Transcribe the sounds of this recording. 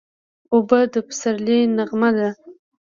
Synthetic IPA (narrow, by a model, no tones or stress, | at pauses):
obad̪əpə̥saɾlinaɣmad̪a